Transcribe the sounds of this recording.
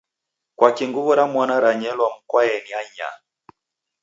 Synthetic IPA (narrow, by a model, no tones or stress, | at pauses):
kwakiŋɡuβɔɾamwanaɾaɲɛlwam̩kwaɛniaɲa̰